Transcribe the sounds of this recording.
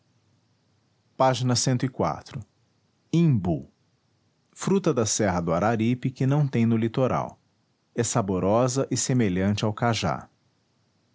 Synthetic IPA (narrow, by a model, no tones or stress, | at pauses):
paʒinɐsẽnt̪ʊikwa̰t̪ɾʊ | ĩbu | fɾut̪ɐd̪ɐsɛɦɐd̪ʊaɾaɾipɪkɪnɐ̃w̃t̪ẽj̃nʊlit̪oɾa̰w | ɛsaboɾɔzɐʔɪsemeʎɐ̃nt͡ʃɪawkaʒa̰